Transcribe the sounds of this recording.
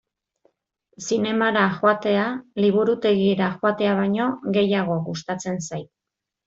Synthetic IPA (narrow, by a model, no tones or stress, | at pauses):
sine̞maɾaxoat̪e̞aliβ̞uɾut̪e̞ɣieɾaxoat̪e̞aβ̞ajɲo̞ɣe̞jaɣ̞o̞ɣust̪at͡se̞nsajt̪̚